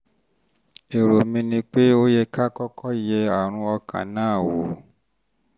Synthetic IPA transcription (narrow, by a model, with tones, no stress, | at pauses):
e˨ɾo˨mĩ˧nĩ˧k͡pe˦o˦jɛ˧ka˦kɔ˦kʰɔ˦jɛ˧a˨ɾ̃ũ˧ɔ˧kʰã̰˨nãː˦˨wo˨